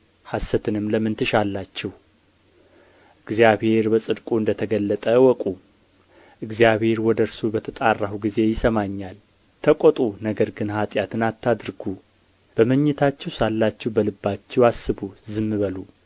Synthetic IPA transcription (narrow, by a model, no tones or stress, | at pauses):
hasːət̪ʰɨnɨmləmɨnt̪ʰɨʃalːat͡ʃːɛw | ʔɨɡzijaβhe̞ɾbəsʼɨd̪kʼuɨnd̪ət̪ʰəɡəlːət̪ʼəwɔkʼu | ʔɨɡzjaβhe̞ɾwɔd̪əɾsubət̪ʰət̪ʼarːahuɡize̞jɪsəmaɲːal | t̪ʰəkʷʼɔt̪ʼunəɡəɾɡɨnhat̪ʼjat̪ʰɨnat̪ːad̪ɾɡu | b̥əməɲːɛt̪ʰat͡ʃːɛwsalːat͡ʃːɛwbəlɨbːat͡ʃːɛwasːɨbuzɨmːɨβəlu